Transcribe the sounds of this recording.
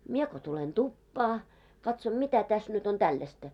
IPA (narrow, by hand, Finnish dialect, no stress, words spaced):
mie ko tulen tupːɑː kɑtsom mitæ tæs nyt on tælːæstæ